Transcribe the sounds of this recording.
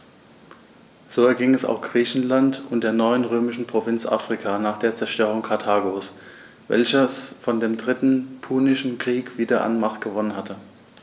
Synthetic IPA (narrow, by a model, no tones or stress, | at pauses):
z̥oːɛɐɡɪŋɛsa̰ʊxɡ̥ʁiːçn̩lantʊntd̥eːɐnɔʏənʁøːmɪʃn̩pʁ̥ovɪnt͡sʔa̰ːfʁ̥ɪkʰaːnaːχd̥eːɐt͡sɛɐʃtøːʁ̞ʊŋkʰaɐtʰaːɡoːs | vɛ̰lçɐsfɔndeːmdʁɪtn̩pʰuːnɪʃn̩kʁ̥iːkv̥iːdɐʔa̰nmaχt̚ɡ̥əvɔnənhatə